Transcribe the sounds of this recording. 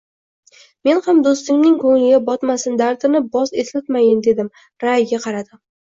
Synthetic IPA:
me̞nhamd̪ost̪ɪŋnɪŋkʰoŋɪɡʲabɒt̪masɪnd̪aɾt̪ɪnɪbɒzeslat̪majɪnd̪e̞d̪ɪm | ɾajɡʲaqʰɑɾad̪ɪ

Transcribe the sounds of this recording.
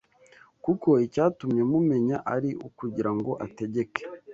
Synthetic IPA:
kuko̞icaːtumɲe̞mume̞ɲaʔaɾiʔukuɟiɾaŋɡo̞ʔate̞ɟe̞ke̥

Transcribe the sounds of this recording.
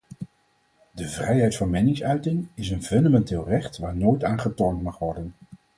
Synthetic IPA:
dəvrɛjɦɛjtfɑnmɛnɪŋsœɥtɪŋɪsənvɵndamɛntɪːlˠrɛχtʋaːɹnoːjtaːnχətɔɹntmɑχʋɔɹdən

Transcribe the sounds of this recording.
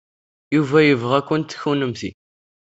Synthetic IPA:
juvæjəvʁækʷːənt̪ːə̥çunəmθḭ

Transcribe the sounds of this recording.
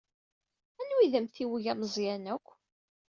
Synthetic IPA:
ænwiðəmθiwəʝæməzˤjænækʷː

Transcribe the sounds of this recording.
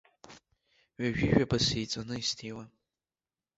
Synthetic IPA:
ɥaʒᶣɪʒᶣabasejt͡sʷʼanɨistʰewa

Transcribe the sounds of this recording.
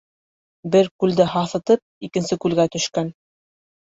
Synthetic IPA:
bɘɾkʉld̪ɘɦɑθɤ̆t̪ɤp̚ikɘ̆nsɘkʉlɡæt̪ɵ̆ʃkæn

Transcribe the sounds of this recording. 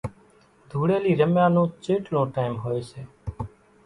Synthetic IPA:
d̪ʱuːɽeːliːɾəmjãːnõːt͡ʃeːʈlõːʈaːɪmɦoːeːseː

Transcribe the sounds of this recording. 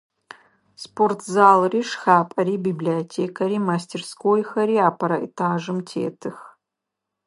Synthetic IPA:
spʰortʰzaːlˠriʂxaːpʼɐɾiːbibliotʰeːkʰɐɾimastʰerskojxɐɾiaːpʰɐɾɐḛtʰaːʐɨmtʰḛːtʰɨx

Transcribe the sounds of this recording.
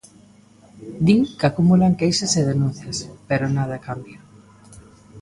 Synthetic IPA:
d̪iŋkakumulaŋkejsɐseðenũn̟θjɐspeɾonað̞ɐkambjɐ

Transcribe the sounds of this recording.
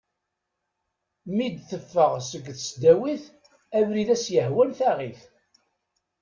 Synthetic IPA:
mid̪θəfːəʁsəɡːθsd̪æwiθ | ævɾiðæsjəhwælθæʁiθ

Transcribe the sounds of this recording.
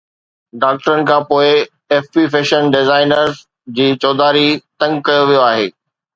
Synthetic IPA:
ɖaːk̚ʈəɾənɪ̆kʰãːpoːɪ | ɛːfpifeːʃənɖɪzaːɪnəɾz | d͡ʑiːt͡ɕɔːd̪aːɾit̪ɐ̃ŋɡkɐjoʋijoaːɦeː

